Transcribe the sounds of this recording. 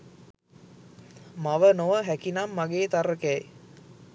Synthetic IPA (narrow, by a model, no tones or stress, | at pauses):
maʋənoʋəɦækinamːaɡeːt̪aɾəkɛj